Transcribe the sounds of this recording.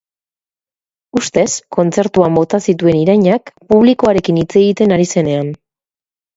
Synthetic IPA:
ust̪e̞sko̞nt͡se̞ɾt̪uambo̞t̪asit̪ue̞niɾajɲakpuβ̞liko̞aɾe̞kinit͡se̞ɣit̪e̞naɾise̞ne̞an

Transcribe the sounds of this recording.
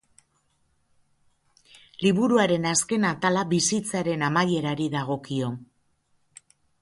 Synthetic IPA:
liβuɾuaɾe̞naske̞nat̪alaβisit͡saɾe̞namaje̞ɾaɾiðaɣ̞o̞kio̞

